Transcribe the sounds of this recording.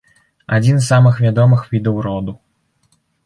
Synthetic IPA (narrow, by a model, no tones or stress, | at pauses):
a̰d͡zʲinzsamɨxvʲad̪ɔmɨxvʲid̪ɐwɾɔd̪u